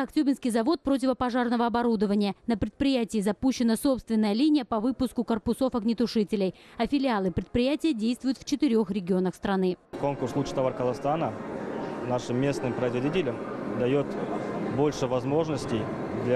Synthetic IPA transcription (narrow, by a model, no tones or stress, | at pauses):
ɐktʲubʲɪnskʲɪjzɐvo̞t̪̚pɾo̞t̬ʲɪvəpɐʐarnəvəɐbɐɾud̪əvənʲɪjənəpɾʲɪt̪̚pɾʲɪjætʲɪːzɐpuɕːɪnəso̞pst̪vʲɪnːəjəlʲinʲɪjəpɐvɨpʊskʊkərpʊso̞fɐɡnʲɪt̪ʊʂɨtʲɪlʲɪjɐfʲɪlʲɪalˠɨpɾʲɪt̪̚pɾʲɪjætʲɪjədʲejst̪vʊjʊt̪ft͡ɕɪt̪ɪɾʲo̞xɾʲɪɡʲɪo̞nəxst̪ɾɐnɨko̞nkʊrslˠut͡ɕɪ̥t̪ɐvarkəzˠɐst̪anə | naʂɨmːʲe̞snɨmpɾəɪzvɐdʲitʲɪlʲəmd̪ɐjo̞t̪bolʲʂɨvɐzmo̞ʐnəsʲtʲɪj | d̪lʲ